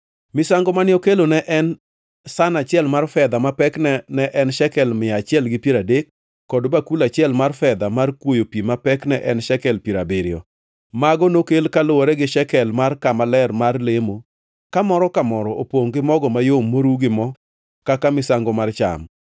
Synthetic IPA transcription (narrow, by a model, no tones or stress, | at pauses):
mɪsaŋɡɔmanɪokelonɛʔɛn | sanat͡ʃɪɛlmarfɛd̪amapɛknɛnɛʔɛnʃɛkɛlmɪat͡ʃɪɛlɡɪpjiɾadekː | ɔdbakulat͡ʃɪɛlmarfɛd̪amarkwojopimapɛknɛʔɛnʃɛkɛlpiɾabeɾɪjɔ̰ | maɡɔnokelkalʊwɔɾɛɡɪʃɛkɛlmarkamalɛrmarlemo | kamɔɾɔkamɔɾɔopoŋɡɪmɔɡɔmajomːoɾuɡɪmɔ | kakamɪsaŋɡɔmart͡ʃa̰m